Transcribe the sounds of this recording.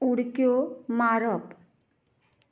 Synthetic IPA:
uɽkjomaɾɔp

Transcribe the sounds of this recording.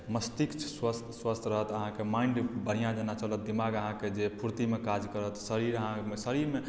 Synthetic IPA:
məst̪ikt͡ʃʰswəst̪ʰswəst̪ʰɾəɦət̪əɦãkemaiɳɖbənijãd͡ʒənat͡ʃələt̪̚d̪imaɡəɦãked͡ʒepʰuɾt̪imekad͡ʒkəɾət̪səɾiɾəɦãmesəɾiɾme

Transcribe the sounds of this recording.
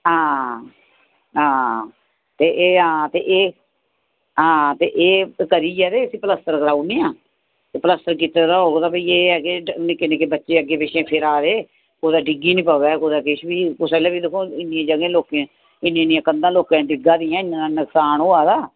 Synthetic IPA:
ɦãː | ɦãː | t̪eːʔeːɦãːt̪eːʔeː | ɦãːt̪eːʔeːkəɾiːd͡ʒɛːt̪eːəsĩːpələst̪əɾkəɾaːuːniːãː | t̪eːpələst̪əɾkiːt̪aːd̪aːɦoːɡd̪aːpiːeːɡeːnikɪnẽːkɪbətːʃeːəɡeːpeʃẽːpʰɪɾaːɾeː | koːd̪aːɖɪɡiːnĩːpaːɛːkoːd̪aːkɪʃbiːkʊseleːbiːd̪ɪkʰːõːɪnːjẽːd͡ʒəɡẽːloːkẽː | ɪnẽnijãːkənd̪ãːloːkãːɖɪɡãːd̪iːãːɪnːãnãːnəksaːnɦoːaːd̪aː

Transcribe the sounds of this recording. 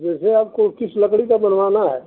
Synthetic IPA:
d͡ʒɛːseaːp̚kokɪsləkɽikabənʋaːnaɦɛ̰ː

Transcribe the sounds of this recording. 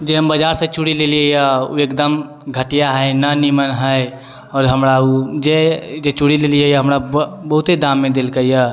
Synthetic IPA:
d͡ʒeɦəmbəd͡ʒaɾsẽt͡ʃuɽileliejəuekd̪əm | ɡʱəʈijaɦəenənimənɦəj | ɔːɾɦəmɾaud͡ʒed͡ʒet͡ʃuɽilelijejaɦəmɾabəɦut̪ed̪ãmːẽd̪elkəjə

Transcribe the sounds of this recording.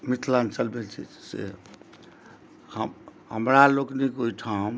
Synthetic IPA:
mit̪ʰlant͡ʃəlbelt͡ʃʰḭsḛ | həmɦəmɾaloknikoiʈʰaum

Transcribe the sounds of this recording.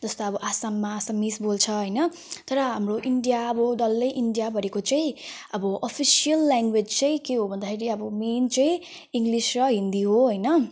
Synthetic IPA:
d͡zʌst̪oʌbʌʔasamːaːsamːisbolt͡sʰʌɦʌjnʌ | t̪ʌɾʌɦamroʔiɳɖijaʌbʌɖʌlːʌjʔiɳɖijabʱʌɾekot͡sʌĩʌbʌʔʌpʰisijʌlːaŋɡwed͡zt͡sʌj̃keɦobʱʌnd̪akʰeɾiʌbʌment͡sʌĩ | iŋɡlisrʌɦind̪iɦoɦʌjnʌ

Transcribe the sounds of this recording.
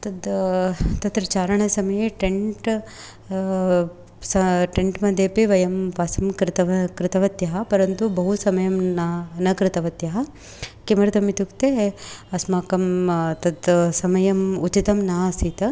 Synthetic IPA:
t̪ɐd̪ | t̪ɐt̪ɾɐt͡ʃaːɾɐɳɐsɐmɐjeʈeɳʈ | sɐʈeɳʈmɐd̪eːpiʋɐjɐmpaːsɐmkɾɪt̪ɐʋɐkɾɪt̪ɐʋɐt̪jɐɦɐpɐɾɐnt̪ubɐɦusɐmɐjɐmnnɐkɾɪt̪ɐʋɐt̪jɐɦɐ | kimɐɾt̪ɐmit̪ukt̪eɐsmaːkɐmt̪ɐd̪sɐmɐjɐmut͡ʃit̪ɐmnaːsit̪ɐ

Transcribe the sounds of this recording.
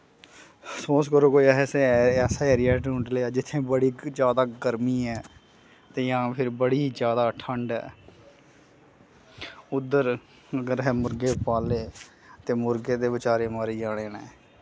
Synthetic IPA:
soːskəɾoːkoːiɛɛːseɛːsaːɛːɾijɛːʈʊ̃ɳʈleːaːd͡ʒɪt̪ʰːẽːbəɽiːd͡ʒjaːd̪aːɡəɾmiːɛː | t̪eːjãːpʰɪɾbəɽiːd͡ʒjaːd̪aːʈʰəɳɖɛ̰ː | ʊd̪ːəɾ | əɡəɾɦɛːmʊɾɡeːpaːleː | t̪eːmʊɾɡeːd̪eːbɪt͡ʃaːɾeːmaːɾiːd͡ʒaːɽ̃eːnɛ̃ː

